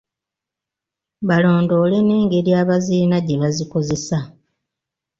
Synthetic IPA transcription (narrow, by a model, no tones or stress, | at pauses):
βalo̞ːndo̞ːleneːŋɡe̞ɾjaːβaziːnaɟe̞βaziko̞ze̞sa